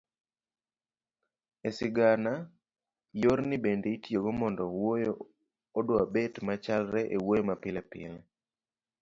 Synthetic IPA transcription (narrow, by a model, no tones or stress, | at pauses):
esɪɡana | joɾnɪbendeitjoɡomɔndɔwojoː | dwabetmat͡ʃalɾɛʔewojmapɪlɛpɪ̰l